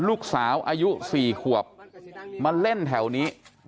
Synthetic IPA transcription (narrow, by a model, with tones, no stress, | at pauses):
luː˥˩k̚saː˩˦wʔaː˧ju˦˥siː˨˩kʰu˨˩əp̚ma˧le˥˩nt̪ʰɛ˩˦wniː˦˥